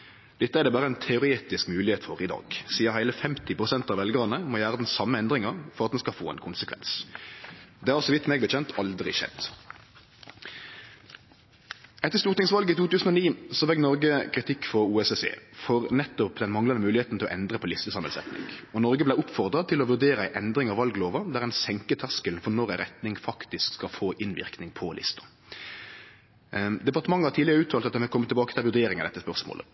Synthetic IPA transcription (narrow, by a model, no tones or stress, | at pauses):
d̪̥ɛt̪ːəæʁd̪ɛːbɑːʁəɛnt̪ʰɛʊɾeːt̪ɪskmʉːlɪheːt̪fɔʁɪd̪ɑ̰ːɡsiːəɦæɪləfɛmt̪ɪpʰʁʊsɛnt̪ɑʋɛlɡɑʁnəmɔjæːʁəd̪ɛnsɑmːəɛnd̪ʁɪŋəʁfɔɾʁɑt̪d̪ɛnskɑfoːɛ̰nkʰʊnsəkʰʋɛ̰ns | d̪ɛːhɑʁsɔʋɪt̪mɛːɡ̚b̪ɛçʰɛnt̪ʰɑld̪ʁɪ̰ʃɛ̰d̪ | ɛt̪ːəʁst̪uːʁt̪ɪŋsʋɑlɡəit̪uːt̪ʉːsn̩ɔniːsɔʋɛɡ̚nɔʁɡəkʰʁɪt̪ʰɪkːfɔʁuːɛsesḛːfɔʁnɛt̪ːɔpd̪ɛnmɑŋlɑnəmʉːlɪheːt̪n̩t̪ʰɪlɔʔɛnd̪ʁəpʰɔlɪst̪əsɑmːɛlsɛ̰t̪nɪ̰ŋɔnɔʁɡəblæɪʊpfɔʁd̪ʁɑt̪ʰɪlɔʋʉʁd̪eːɾəæɪʔɛnd̪ʁɪŋɑʋɑlɡloːʋɑd̪æːʁɛnsɛŋkət̪ʰæʁskəln̩fɔnɔʁæʁɛt̪nɪŋfɑkt̪ɪskkskɑlfoːʔɪnʋɪ̰ʁknɪŋpʰɔlɪ̰st̪ɑ̥ | d̪ɛpɑʁt̪əmɑŋːəhɑʁt̪ʰiːlɪəʁəʉːt̪ʰɑːlt̪ɑt̪̚ɛnhɛlkʰɔmːət̪ɪlbɑːkət̪ʰɪlʋʉʁd̪eːɾɪŋɑd̪ɛt̪ːəspœʁsmo̰ːlə̰